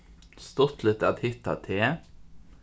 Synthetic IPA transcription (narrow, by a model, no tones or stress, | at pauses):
st̪ɔt̪lɪt̪ɑt̪hʏt̪ːɑ̰t̪ʰeː